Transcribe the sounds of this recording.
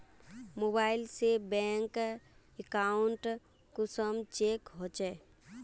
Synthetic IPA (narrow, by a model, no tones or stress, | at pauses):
mobailsebɛŋk | ekauɳʈ | kusəmt͡ʃekɦot͡ʃɛ